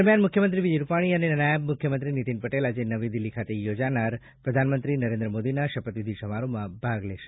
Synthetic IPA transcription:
ɾmjanmʊkʰjəmənt̪ɾiʋid͡ʒejɾupaɽ̃iəneənajəbmʊkʰjəmənt̪ɾinit̪inpəʈelad͡ʒenəʋid̪ilːikʰat̪ejod͡ʒanaɾ | pɾəd̪ʱanmənt̪ɾinəɾẽnd̪ɾəmod̪inaʃəpət̪ʋid̪ʱiʃəmaɾomãbʱaɡleʃe̥

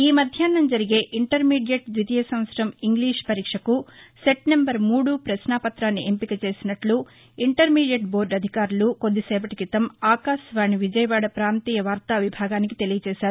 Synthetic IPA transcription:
iːmɐd̪ʱjaːnːɐmd͡ʒɐɾiɡe̞ːʔiɳʈɐɾmiːɽijɐʈd͡ʒit̪ijɐsɐmʋɐt̪sɾɐmiŋɡliːʂpɐɾiːkʂɐkuseʈnembɐɾmuːɽupɾɐʃnaːpɐt̪ɾaːnːiʔempikɐt͡ʃe̞ːsinɐʈlu | iɳʈɐɾmiːɖijɐʈ̚bo̞ːɾɖɐd̪ʱikaːɾuluko̞d̪ːisɛːbɐʈikit̪ɐmaːkaːʃʋaːɳiʋid͡ʒɐjɐʋaːɽɐpɾaːnt̪iːjɐʋaːɾt̪aːʋibʱaːɡaːnikit̪e̞lijɐt͡ʃɛːʃaːɾu

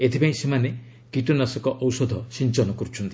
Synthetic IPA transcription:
et̪ʰipãĩsemane | kiʈunasɔkɔʔɔwsɔd̪ʱɔsint͡ʃɔnɔkɔɾut͡ʃʰɔnt̪i̥

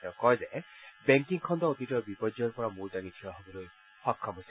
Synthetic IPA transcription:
ɔkɔjzɛbɛŋkiŋkʰɔndɔotitɔɹbipɔzɔɔɹpɔɹamuɹdaŋitʰiwaɦobɔloj | xɔkʰːɔbojsɛ

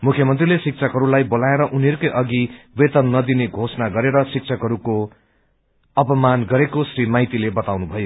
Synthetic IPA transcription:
mukʰjʌmʌnt̪rilesik̚t͡sʰʌkʌɾulajbolaeɾʌʔuniɦʌɾukojʔʌɡiwet̪ʌnnʌd̪ineɡʱosʌnaɡʌɾeɾʌsik̚t͡sʰʌkʌɾuko | ʌpʌmanɡʌɾekosrimajt̪ilebʌt̪awnubʱʌjo

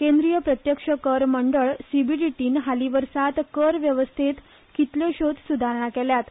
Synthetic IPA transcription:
kẽnd̪ɾijəpɾət̪jəkʂəkəɾməɳɖəɭsibiʈiʈiːnɦaliʋəɾsat̪kəɾʋjəʋəst̪ʰit̪ | kit̪ljoɕod̪sud̪ʱaɾɳ̃akɛljat̪

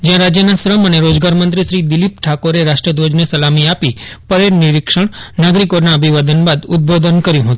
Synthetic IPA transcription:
d͡ʒjãɾad͡ʒjənasɾəməneɾod͡ʒɡaɾmənt̪ɾiʃɾid̪ɪlip̚ʈʰakoɾeɾaʃʈɾəd̪ʋod͡ʒnesəlamiapipəɾeɾniɾikʃəɳ̃naɡɾikonaəbʱiʋad̪ənbad̪ʊd̪̚bod̪ənkəɾjũɦət̪ũ

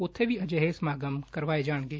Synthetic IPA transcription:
ʊt̪ʰːebʱiɐd͡ʒeɦesmaːɡəmkɐɾʋaːed͡ʒaːɽ̃ɡeː

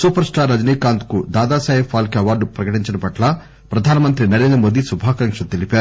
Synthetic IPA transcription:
suːpɐɾsʈaːɾːɐd͡ʒɐniːkaːnt̪kud̪aːd̪aːsaːjifʰaːlkeɐʋaːɾɖupɾɐkɐʈiɲt͡ʃɐnupɐʈlɐ | pɾɐd̪ʱaːnɐmɐnt̪ɾinɐɾeːnd̪ɾɐmoːd̪isubʱaːkɐŋkʂɐt̪ilipe

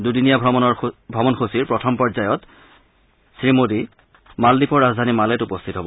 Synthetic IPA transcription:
dudinijabʱɔbʱɹɔbɔnxosiɹpɹɔtʰɔmpɔzajɔt | sɹimodi | maldipɔɹazdʱanimalɛtupɔstʰitɦɔbɔ

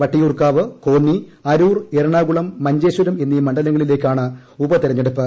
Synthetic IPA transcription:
ʋɐʈːijuːrkaːʋɨko̞ːnːiɐɾuːreɾɐɳaːɣuɭɐmːɐɲd͡ʑeːɕwɐɾɐme̞nːijmɐɳɖɐlɐŋːɐɭile̞ːkʲːaːɳɨ | ubɐt̪iɾɐɲːeɽupːɨ

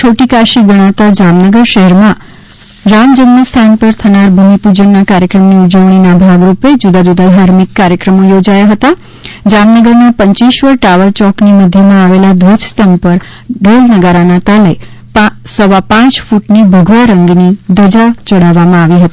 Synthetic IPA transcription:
t͡ʃʰoʈikaʃiɡəɽ̃at̪ad͡ʒamnəɡəɾʃəɦɛɾmã | ɾamd͡ʒəmnəst̪ʰanpəɾt̪ʰənaɾbʱumipud͡ʒənːakaɾjəkɾəmniud͡ʒəʋɳ̃inabʱaɡɾuped͡ʒud̪ad͡ʒud̪ad̪ʱaɾmikːaɾjəkɾəmojod͡ʒajaɦət̪a | d͡ʒamnəɡəɾnapəɲt͡ʃiʃʋəɾʈaʋəɾt͡ʃɔkniməd̪ʱjəmãaʋelad̪ʱʋod͡ʒst̪əmpəɾ | ɖolnəɡaɾanat̪ale | psəʋapãt͡ʃfuʈnibʱəɡʋaɾəŋɡnid̪əd͡ʒat͡ʃəɽaʋamãaʋiɦət̪i

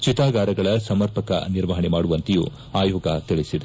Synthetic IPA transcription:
t͡ʃit̪aːɡaːɾɐɡɐɭɐsɐmɐɾpɐkɐ̰niɾʋɐɦɐɳemaːɽuʋɐnt̪ijṵː | aːjoːɡɐt̪iɭisid̪e

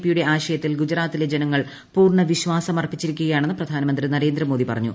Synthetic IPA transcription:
pːijuɽe̞ʔaːɕɐjɐt̪ːilɡud͡ʑɾaːt̪ːile̞d͡ʑenɐŋːɐɭ | puːrɳɐʋiɕʋaːsɐmɐrpːit͡ɕːiɾikʲːuɣɐjaːɳe̞nːɨprɐd̪ʱaːnɐmɐnd̪rinɐɾe̞ːnd̪ɾɐmo̞ːd̪ipɐrɐɲːu

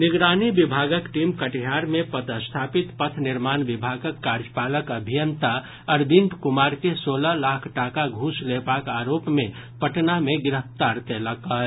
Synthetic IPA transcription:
niɡɾanibibʱaɡəkʈimkəʈɦaɾmepət̪əst̪ʰapit̪pət̪ʰniɾmanbibʱaɡəkːaɾd͡ʒəpaləkəbʱijənt̪a | əɾbiɳʈkumaɾkesoləlakʰʈakaɡʱũslepakaɾopme | pəʈnameɡɪɾəft̪aɾt̪eləkə

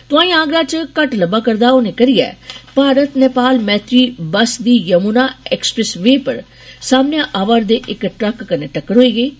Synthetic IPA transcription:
t̪ʊãːĩːãːɡɾaːt͡ʃkəʈləbaːkəɾd̪aːʊnẽːkəɾijɛ̰ːpaːɾət̪nepaːlmɛːt̪ɾiːbəsd̪iːjəmuːnaːɛːksə̥pɾɛsʋeːpəɾ | saːmnejãːʔaːʋaːɾd̪eːʔɪkʈɾəkːəneːʈəkːəɾɦoːiːɡeː

